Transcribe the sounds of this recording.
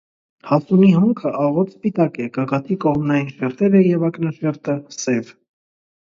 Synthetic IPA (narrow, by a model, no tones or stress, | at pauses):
hɑsuniɦɔŋkʰəʔɑʁɔt̪spit̪ɑkɛkɑkɑt̪ʰikɔʁmnɑjinʃɛɾt̪ɛɾəjɛvɑknɑʃɛɾt̪əsɛv